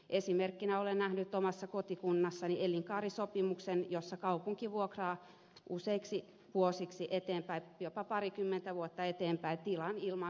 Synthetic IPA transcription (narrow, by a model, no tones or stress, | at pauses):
ʔesimerkːinæolennæhnyt̪ːomɑsːɑkot̪ikunːɑsːɑnielːiŋkɑːrisopimuksenjosːɑkɑupuŋkiʋuokrɑː | ʔuseiksi | ʋuosiksiʔet̪eːmpæijopɑpɑrikymːent̪æʋuot̪ːɑet̪eːmpæit̪ilɑnilmɑ